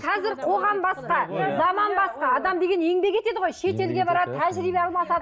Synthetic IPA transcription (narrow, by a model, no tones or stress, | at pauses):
qʰɑzɪɾqʰo̞ʁɑmbɑsqɑzɑmɑnbɑsqɑːd̪ɑmd̪e̞ɡʲene̞ŋbe̞kʲe̞t̪e̞d̪ɪʁojʃe̞t̪e̞lɡʲe̞bɑɾɑd̪ət̪ʰæʒɾibeɑlˠmɑsɑd̪ə